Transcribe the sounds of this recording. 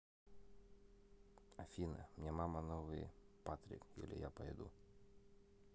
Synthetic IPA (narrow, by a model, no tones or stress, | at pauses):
ɐfʲinɐ̰mnʲamamɐnɔʋɨjpat̪ɾʲɪ̰kjṵlʲɪ̰ja̰pɐjɛd̪ṵ